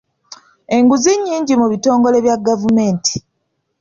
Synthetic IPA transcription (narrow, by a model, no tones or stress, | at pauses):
e̞ŋɡuziɲːiːɲɟimuβito̞ːŋɡo̞le̞βjaɡavume̞ːnti̥